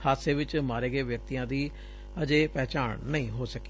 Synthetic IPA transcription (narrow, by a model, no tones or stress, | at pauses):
haːseːʋɪt͡ʃmaːɾeːɡeːʋjək̚t̪ijãːd̪iː | əd͡ʒeːpɛːt͡ʃaːɳnəĩːɦoːsəke̥ː